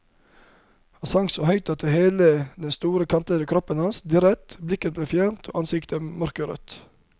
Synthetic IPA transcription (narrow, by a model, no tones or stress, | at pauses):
hɑsɑŋsoːhœʏt̪ɑt̪̚əheːləd̪ɛnst̪uːɾəkʰɑnt̪əɾəkʰɾɔpənhɑnsd̪ɪɾɛt̪blɪkət̪bleːfjæːɳt̪ʰo̰ːʔɑnsɪkt̪əmœɾkəɾœ̰t̪